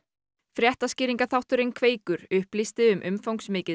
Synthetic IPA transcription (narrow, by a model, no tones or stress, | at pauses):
fɾjɛht̪ascɪːɾiŋkaθawht̪ʏɾejnkʰveːjkʏɾʏhplist̪ɪʏmʔʏmfowŋksmɪːcɪ